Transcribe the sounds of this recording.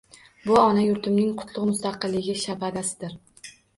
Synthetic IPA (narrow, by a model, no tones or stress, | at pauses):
bʊɒnajʊɾt̪ʰɪmnɪŋqʰʊ̥t̪ʰlˠʊʁmʊst̪ɑqɨlˠːɪɡʲɪʃabad̪asɪd̪ɪɾ